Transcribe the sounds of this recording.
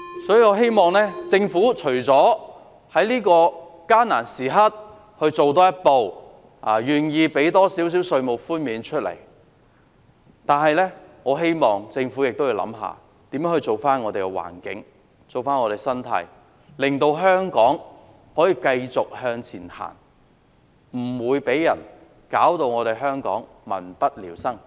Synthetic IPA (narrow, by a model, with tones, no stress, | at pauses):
sɔː˨˥jiː˨ŋɔː˨˧ɦe˥jmɔː˨˩ŋlɛː˥t͡sɪ˧ŋfuː˨˥t͡ʃʰɵ˨˩t͡sɔː˨˥ | hɐ˨˥jliː˥kɔː˧kaː˥na̰ː˨˩nsiː˨˩ɦɐ˥t̚ | hɵ˧t͡so˨wt̪ɔː˥jɐ˥t̚po˨˧w | aː˨jyː˨njiː˧pe˨˥jt̪ɔː˥si˨˥ws̬iː˨˥wsɵ˧ɥmo˨˩wfuː˥nmiː˨˧nt͡ʃʰɵ˥t̚lḛ˨˩j | t̪aː˨˩nɦɐ˨jlɛː˥ŋɔː˨˧ɦe˥jmɔː˨˩ŋt͡sɪ˧ŋfu˨˥jɪ˨k̚t̪o˥wjiː˧wlɐ̰˨˧˥mɦa̰ː˨ | t̪iː˨˥mjœ˨˥hɵ˧t͡so˨˩wfaː˥nŋɔː˨˧t̪e˨jkɛ˧wa̰ː˨˩nkɪ˨˥ŋ | t͡so˨wfaː˥nŋɔ˨˧ɾe˨˩jsɐ˥nt̪ʰɐ̰˨˧˥j | lɪ˨˩ŋt̪o˧wɦœː˥ŋkɔː˨˥ŋ | hɔː˨˥jiː˨˧kɐ˧jt͡sʊ˨k̚hœː˧ŋt͡sʰiː˨˩nha̰ː˨˩n | m̩˨˩wuː˨˧jpe˨˥jːɐ̰˨˩n | kaː˨˥wt̪o˧wŋɔː˨˧ɾe˨jɦœː˥ŋkɔ̰ː˨˥ŋ | mɐ̰˨˩npɐ˥t̚liː˨˩wsɐ˥ŋ